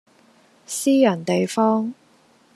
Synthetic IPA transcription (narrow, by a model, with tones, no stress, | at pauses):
siː˥jɐ˨˩nt̪e˨jfɔː˥ŋ